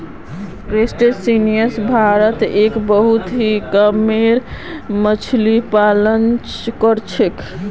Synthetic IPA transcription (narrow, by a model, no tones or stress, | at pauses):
kɾesʈesinijəsbʱaɾət̪ekbəɦut̪ɦikəmeɾ | mət͡ʃʰlipalənt͡ʃkəɾt͡ʃʰek